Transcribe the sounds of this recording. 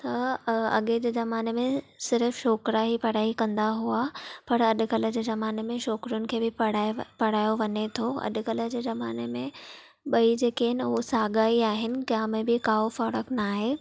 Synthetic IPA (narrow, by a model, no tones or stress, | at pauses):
t̪ɐɐ̰ɠed͡ʑeːzɐmaːnemẽ | sɪɾfʃoːkɾaɦipɐɽ̤aːikɐ̃nd̪aɦuapɐɾɐɗʊ̆kɐlə̆d͡ʑeːzɐmaːnemẽʃoːkɾʊnɪ̆kʰeːbɪɽaːpɐɽ̤aːjoʋɐɲet̪ʰoɐ̰ɗʊ̆kɐlə̆d͡ʑeːzɐmaːnemẽ | ɓɐid͡ʑeːkeɦɪnɪʊɦosaːɡaːiaːɦɪnɪ̆kjaːmẽbɪkaːofɐɾəknaːɦeː